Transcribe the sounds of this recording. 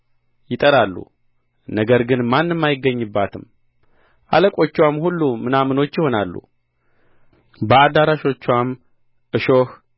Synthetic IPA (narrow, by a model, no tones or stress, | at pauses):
jɪt̪ʼəɾalːṵ | nəɡəɾɡɨnmanːɨmːajɪɡːəɲːɨbːat̪ʰɨm | ʔaləkʼo̞t͡ʃːwamhulːumɨnamɨno̞t͡ʃːjɪho̞nalːṵ | bəad̪aɾaʃo̞t͡ʃːwam | ʔɨʃo̞h